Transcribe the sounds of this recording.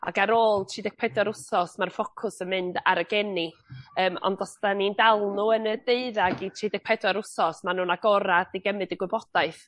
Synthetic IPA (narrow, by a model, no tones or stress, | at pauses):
a̰ɡaɾoːlˠtʰiːdɛk̚pʰɛdwaɾʊsɔsmarfɔkʰʊsənmɨndaɾəɡɛniəːmɔ̰ndɔsd̥anindɛlˠnuənədeɨðaɡitʰriːdɛɡ̚pʰɛdwaɾʊsɔsmanuːnaɡɔɾadiɡəmɨdəɡwɪbɔd̥aɨθ